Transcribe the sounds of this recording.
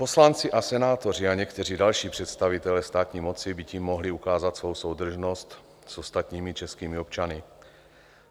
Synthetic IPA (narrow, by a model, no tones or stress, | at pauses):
po̞slant͡siʔasɛnaːt̪o̞r̝iaɲɛkt̪ɛr̝iːdalʃiːpr̥ɛt̪st̪avit̪ɛlɛst̪aːt̪ɲiːmot͡sibiciːmːoɦliukaːzat̪svo̞wsowd̪r̩ʒnost̪ | sost̪at̪ɲiːmit͡ʃɛskiːmiop̚t͡ʃanɪ